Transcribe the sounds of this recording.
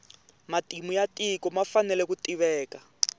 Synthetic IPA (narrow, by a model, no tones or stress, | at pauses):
matimujatʼikɔmafanɛlɛkutiβɛːka